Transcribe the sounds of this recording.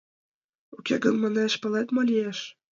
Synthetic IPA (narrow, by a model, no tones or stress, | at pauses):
ukʲeɡɤ̆nmɑ̆neʃpɤ̆læt̪molʲieʃ